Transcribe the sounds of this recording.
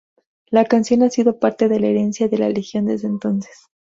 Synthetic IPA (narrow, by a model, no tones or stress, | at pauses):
lakansjo̞nasiðo̞paɾt̪e̞ðe̞laeɾe̞nsjaðe̞lalexjo̞nd̪e̞zðeːnt̪o̞nses